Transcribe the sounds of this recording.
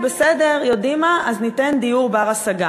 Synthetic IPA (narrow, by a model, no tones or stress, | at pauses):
besede̞ʁjo̞dimaʔaznitend̪ijuʁbaʁasaɡa